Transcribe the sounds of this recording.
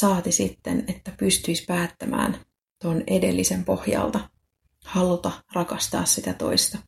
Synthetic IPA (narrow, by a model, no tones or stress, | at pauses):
sɑːt̪isit̪ːḛnet̪ːæpyst̪yispæːt̪ːæmæ̰ːn | t̪onede̞̰lːise̞mpo̞hjɑ̰lt̪ɑ | hɑlut̪ɑrɑkɑst̪ɑ̰ːssit̪æt̪o̞̰ist̪ɑ